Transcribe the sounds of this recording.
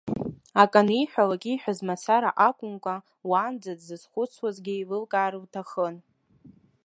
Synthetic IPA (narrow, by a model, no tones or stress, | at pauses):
akʼanijħʷᶣalakʲʼiħʷᶣazmat͡sʰaɾaʔakʷʼʊnkʷʼa | waːnd͡zadzɨzχʷʊt͡sʰwazɡʲɪilɨlkʼaːɾɨwtʰaχən